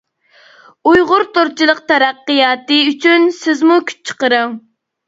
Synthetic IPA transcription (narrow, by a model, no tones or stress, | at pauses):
ujʁʊɾt̪oɾt͡ʃʰilˠəq̚t̪ʰɛɾæqːɨjɑːt̪ɨyt͡ʃʰynsɪzmukʲʰy̥t͡ʃt͡ʃʰə̥qəɾɨŋ